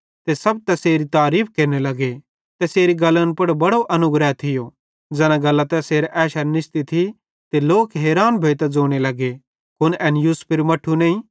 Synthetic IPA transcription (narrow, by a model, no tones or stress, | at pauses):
t̪esɐb̚t̪ɛseːɾit̪aːɾiːp̚ʰkeːɾnelɐɡe | t̪ɛseːɾiɡɐlːənpɐɽbɐɽoʔɐnʊɡɾɛt̪ʰɪjo | d͡ʒɛːñãɡɐlːat̪ɛseːɾɛːʃɐɾnɪʃt̪it̪ʰi | t̪eloːkɦeːɾaːnbʱeːt̪ɛd͡zoːɽ̃elɐɡe | kʊnɛːnjuːspʰɪɾmɐʈʰːunɐ̃ːĩ